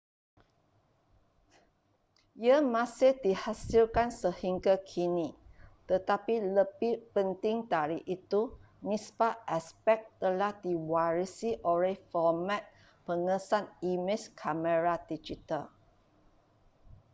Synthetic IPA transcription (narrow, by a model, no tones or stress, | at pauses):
jəmãsɪhdihasilkãnsəhĩŋɡakʰinit̪ət̪apiləbipə̃nt̪ĩŋdaɹiʔit̪u | nĩspaʔɛspɛk̚t̪əlahdiwaɹisiʔɔɹefɔmãt̪̚ | pəŋəsanimeskʰaməɹadid͡ʒital